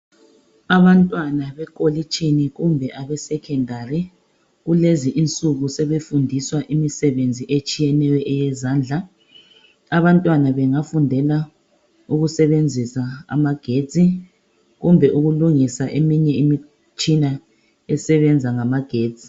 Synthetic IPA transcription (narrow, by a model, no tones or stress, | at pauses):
aβantʼwanaβɛkʼolit͡ʃʼiniɣumbʱɛʔaβɛsɛkʰɛndʱari | ɣuleziʔint͡sʼuɣusɛβefundʱiswaʔimisɛβend͡zʱiʔet͡ʃʼijɛnɛjɔʔɛjɛzaːnd͡ɮʱa | aβantʼwanaβɛŋafundʱɛla | uɣusɛβend͡zʱisaa̰maɡ̥ʱe̥ːt͡sʼi | ɣumbʱɛʔuɣuluŋisaʔemiɲɛimi | t͡ʃʼina | ɛsɛβɛnd͡zʱaŋamaɡ̥ʱeːt͡sʼi̥